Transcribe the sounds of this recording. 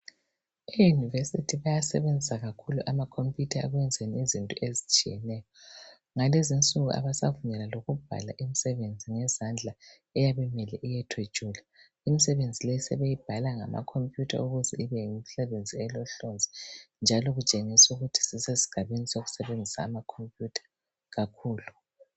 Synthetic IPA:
ejunivesitʰiβajasɛ̰βend͡zʱisaɣakʰuluʔamakʰompʼjutʰaaɣwɛnd͡zʱeniizintʼɔ̰ʔezit͡ʃʼijɛ̰nɛːjɔ | ŋalezint͡sʼuɣuʔa̰βasavuɲɛlaloɣub̥ʱa̰la̰ʔimisɛβend͡zʱiŋɛzand͡ɮʱa | ɛjaβɛmɛlɛʔijɛtʰwe̥t͡ʃʼula | imisɛβend͡zʱilɛsɛβejib̥ʱalaŋa̰ma̰kʰompʼjutʰa̰uɣuzɛ̰ʔiβɛimisɛβend͡zʱiɛlɔɬond͡zʱɛnd͡ʒʱalɔɣut͡ʃʼeŋisuɣutʰi̥sisesi̥ɡ̥ʱaβenisoɣu̥sɛβend͡zʱisa̰ːmakʰompʼjutʰḁ | ɣakʰuːlu

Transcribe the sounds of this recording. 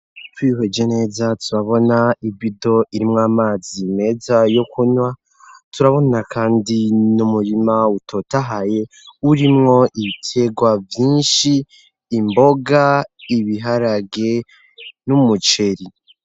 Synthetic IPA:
twiːwed͡ʒe̞ne̞ːzatuɾaβo̞naibido̞ʔiɾimŋaːmaːzime̞ːzajo̞kʰuɲwa | tuɾaβo̞nakʰaːndinumuɾimautʰo̞taɦaje̞ | uɾimŋo̞ʔiβitʰe̞ɡwavjiːnʃiː | mbo̞ɡaiβiɦaɾaɡe̞ | numut͡ʃe̞ɾi

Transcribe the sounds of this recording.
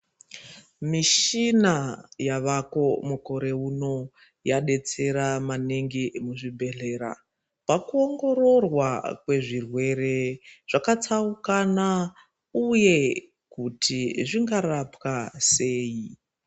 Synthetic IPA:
miʃinajaʋako̞muko̞ɾe̞uno̞ | jaɗe̞t͡se̞ɾamaneŋɡimuʐibʱe̞ɮe̞ːɾa̰ | pakuoŋɡo̞ɾo̞rwakwe̞ʐirwe̞ɾe̞ʐ̥akat͡saukana | uje̞ | kutʰiʐiŋɡarapkase̞ːji

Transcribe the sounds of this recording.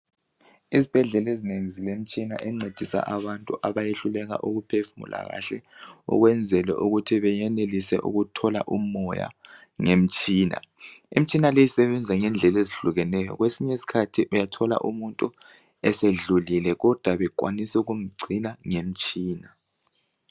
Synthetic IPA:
izib̥ʱɛɮɛlezineŋizilem̩t͡ʃʼinaʔɛŋ͡ǀʱed̥ʱisa̰ʔaβantʼuʔaβajeɬulɛɣa̰ʔuɣupʰɛfmṵla̰ɣa̰ɬɛṵɣwɛnd͡zʱɛlɛ̰ʔuɣutʰiβɛjɛnelisɛ̰ʔṵɣutʰɔla̰ʔumɔja̰ | ŋem̩t͡ʃʼiːna̰im̩t͡ʃʼinalejisɛβɛnd͡zʱaŋɛnd͡ɮʱɛleziɬuɣɛnɛjɔ̰ɣwesiɲesi̥kʰatʰiʔujatʰɔla̰ʔumuntʼu | ɛseɮulilɛɣɔd̥ʱwaβɛk̬ʼwa̰nisɛuɣum̩ɡ͡ǀʱinaŋem̩t͡ʃʼiːna

